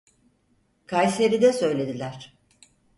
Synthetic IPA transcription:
kʰajseɾid̪ɛsø̞jlʲe̞d̪ilʲæɾ̥

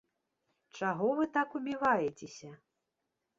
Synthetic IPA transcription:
t͡ʂaɣɔvɨt̪akubʲivajɛt͡sʲesʲɐ

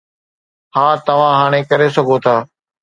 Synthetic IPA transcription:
hãːt̪ɐʋ̤ãːɦaːɽ̃ẽːkɐɾeːsɐɡʱoːt̪ʰaː

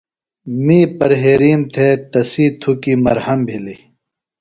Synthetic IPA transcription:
miːpɐɾɦeːɾiːmt̪ʰet̪ɐsiːt̪ʰukimɐɾhɐmbʱili

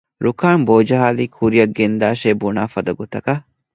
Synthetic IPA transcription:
ɾukaːnboːd͡ʒɐɦaːliːkʰhuɾijɐɡend̪aːʃeːbunaːfɐd̪ɐɡɔt̪ɐkɐ

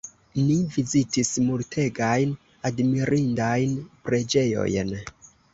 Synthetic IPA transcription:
nivizitismultʰe̞ɡajn | admiɾʔindajnpɾe̞d͡ʒe̞jo̞̰jn

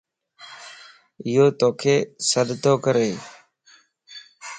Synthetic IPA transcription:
ɪjoːt̪oːkʰeːsəɗt̪oːkəɾeː

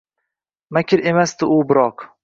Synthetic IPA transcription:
makʲʰɪɾe̞masd̪ɪʔʊbɪɾɒq

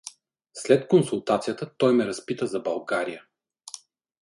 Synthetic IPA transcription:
slɛt̪konsulˠt̪at̪sijət̪ət̪ɔjmɛɾɐspit̪əzɐbɐlˠɡaɾijə

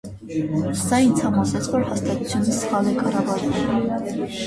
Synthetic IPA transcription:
sɑint͡sʰɑmɑsɛt͡sʰvɔɾhɑst̪ɑt̪ut͡sʰjunisχɑlɛkɑrɑvɑɾɛl

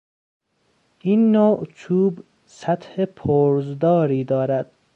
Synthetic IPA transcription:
ʔiːnːoːʔt͡ʃʰuːb | sæt̪hepʰoːɾzd̪ɒːɾiːd̪ɒːɾæd̪̥̚

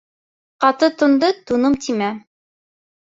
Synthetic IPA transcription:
qɑt̪ɤt̪ŏnd̪ɤt̪unɤmt̪ʰimæ

